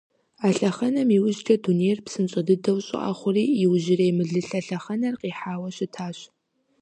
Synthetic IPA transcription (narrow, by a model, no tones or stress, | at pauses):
aːɬɐχɐnɐmiwʊʒtʰɐduneːrpsɨnɕʼɐdɨdɐwɕʼɪ̰ʔa̰ːχʷʊriːiwʒɪrejmɨɮɨɬɐɬɐχɐnɐrqiːħaːwɐɕɪtʰaːɕ